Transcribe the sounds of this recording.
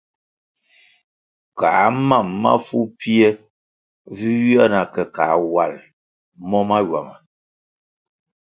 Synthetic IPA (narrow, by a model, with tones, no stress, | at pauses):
kaː˨ma˦˨mːa̰˦fu˦pi˦e˦ | vi˦ja˦na˨kɛ˨kaː˨˦wa˨l | mɔ˦ma˦d͡ʒwa̰˨mə˨